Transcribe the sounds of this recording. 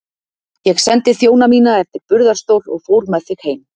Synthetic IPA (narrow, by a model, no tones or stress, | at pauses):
jɛɣsɛnt̪ɪθjoːwnamiːnaɛft̪ɪɾpʏɾðaɾ̥st̪owlɔ̰ɣfowɾmɛðθɪɣheːjm